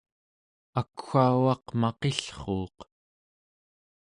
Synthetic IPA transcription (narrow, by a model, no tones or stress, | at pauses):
akxaːwɑqmɑqeɬχoːq